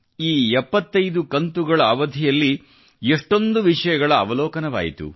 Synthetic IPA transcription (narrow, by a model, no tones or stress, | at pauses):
iːɛpːɐt̪ːɐjd̪ukɐnt̪uɡɐɭɐːʋɐd̪ʱijɐlːi | eʂʈond̪uʋiʂɐjɐɡɐɭɐːʋɐlɔːkɐnɐʋa̰ːjḭt̪ṵ